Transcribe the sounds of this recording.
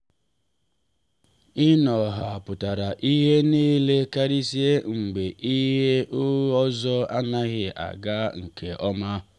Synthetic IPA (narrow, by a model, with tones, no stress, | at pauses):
ɪ˦nɔ˨ɦa˨pʊ˨ta˨ɾa˨ʔi˦ɦe˦niː˦le˦ka˦ɾi˦si˦e˦ŋ͡m̩˨ɡ͡be˨ʔi˦ɦe˦ʔʊ˦ɔ˦zɔ˦a˦na˦ɣɪ˨ʔa̰˨ɡa˦ŋ̩˨kʰe˨ʔɔ˦ma˦